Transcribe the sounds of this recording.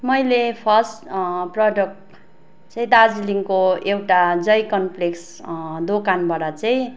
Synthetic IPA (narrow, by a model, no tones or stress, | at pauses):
mʌjlepʰʌsʈprʌɖʌkʈ | t͡sʌj̃d̪ad͡ziliŋkoewʈad͡zʌjkʌnpleks | d̪okanbaɽat͡sʌj̃